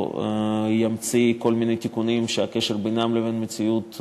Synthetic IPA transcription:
jamt͡siko̞lminejt̪ikunimʃeakeʃeʁbenamlevenmet͡siut̪

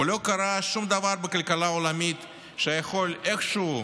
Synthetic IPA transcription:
lo̞kaɾaʃumd̪avaɾbekalkalaolamit̪ | ʃejaxo̞lexʃ

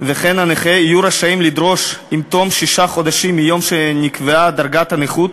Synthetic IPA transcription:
veχenaneχeijuɾaʃaimlid̪ɾo̞ʃimt̪omʃiʃaχo̞d̪aʃimːijo̞mʃenikvead̪aɾɡat̪aneχut̪

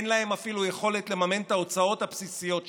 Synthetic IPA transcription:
nlahe̞mafiluje̞χo̞le̞t̪le̞mamentao̞t͡sao̞t̪hapsisijo̞t

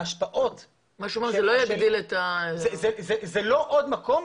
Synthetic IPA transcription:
aʃpaʔot̪ | maʃuameʁzelojaɡd̪ilet̪azezezelo̞ʔod̪mako̞m

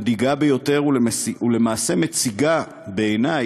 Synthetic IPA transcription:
diɡabejo̞te̞ʁuiule̞maːse̞met͡siɡa | be̞ːna

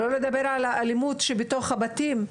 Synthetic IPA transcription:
lo̞le̞d̪abe̞ʁʕalaʔalimutʃebeto̞χhabat̪im

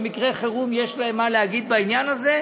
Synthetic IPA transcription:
mikʁeχeʁumje̞ʃlaemːaleaɡid̪̚bainjanaze̞

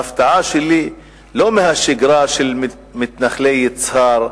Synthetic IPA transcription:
aft̪aʕaʃeli | lomehaʃɪɡɾaʃel | mɪt̪naχlejɪt͡shaɾ

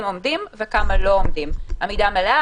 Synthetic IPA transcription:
mo̞md̪imvekamalo̞omd̪imamid̪amalea

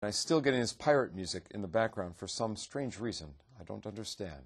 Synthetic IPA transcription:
naɪstɪlˠɡɛɾɪ̃ŋɨz̥pʰaɪɹɨt̚mjʉzɨkʰɨ̰̃nðəbæk̚ɡ̥ɹãʊ̃nd̥fə˞sʌ̃mstɹ̥ẽɪ̃nd͡ʒɹizə̃n | aɪdõ̰ʊ̃ntʌ̃ndə˞stæ̰̃nd̥

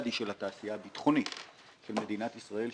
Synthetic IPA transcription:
d̪iʃe̞lat̪aːsijaːbit̪χo̞nit | ʃe̞lme̞d̪inat̪isʁae̞l

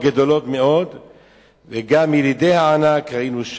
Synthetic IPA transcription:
ɡed̪o̞lo̞t̪me̞o̞d̪ | veɡamilid̪e̞jhaːnakʁainuʃ

